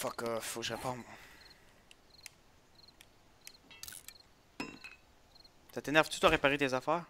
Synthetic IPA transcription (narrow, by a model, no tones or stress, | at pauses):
fɔkəfoʒəʁepɔ̃ | sat̪enɛʁv̥t̪u̥t̪waʁepaʁet̪ezafɛːʁ